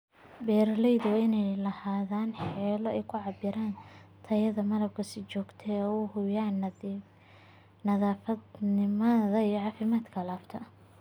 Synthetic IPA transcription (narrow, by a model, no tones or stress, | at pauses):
bɛːɾlɛjðʊwɪnɛjlɐhaːðaːnħɛːlɔɛjkʰʊʕɑbɪɾaːnt̪ʰɐjɐðɐmɐɾɐb̚kʰɐsɪt͡ʃɔːɡt̪ʰɛɔʊhʊjaːn | nɐðaːfɐnɪmɐðɐijɔʕɑːfɪmaːd̪kʰɐlaːft̪ʰɐ